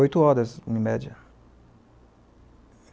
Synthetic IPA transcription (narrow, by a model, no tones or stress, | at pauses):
ojt̪ʊɔɾɐzũĩmɛd͡ʒɐ